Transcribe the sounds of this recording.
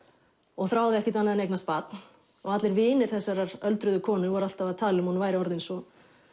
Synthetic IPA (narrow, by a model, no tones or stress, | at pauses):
ɔɣθɾaːwðɪɛhcɪt̪anaðɪnejknast̪̚paːt̪n | ɔɣat̪lɪɾvɪːnɪɾ̥θɛsːaɾaɾœlt̪ɾʏðʏkʰɔːnʏvaɾal̥t̪avaðt̪ʰaːlʏmhɔnvaːjɾɪɔɾðɪnsɔ